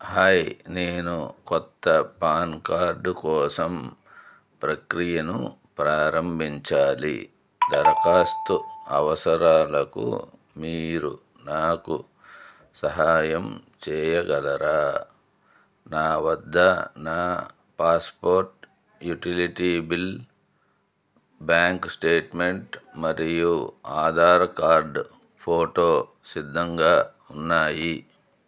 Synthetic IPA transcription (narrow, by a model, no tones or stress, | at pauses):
haːjneːnukɔt̪ːɐpaːnkaːɾɖukɔːsɐm | pɾɐkɾijɐnṵ | pɾaːɾɐmbʱiɲt͡ʃaːlḭ | d̪ɐɾɐkaːst̪uɐ̰ʋɐsɐɾaːlɐkṵ | miːɾṵ | naːkṵ | sɐɦaːjɐmt͡ʃɛːjɐɡɐlɐɾaː | naːʋɐd̪ʱːɐnaː | paːspoːɾʈ | juʈiliʈibil | bjaːŋksʈeːʈmeɳʈmɐɾijuaːd̪ʱaːɾɐkaːɾɖ | pʰoːʈoː | sid̪ʱːɐŋɡaː | unːaːji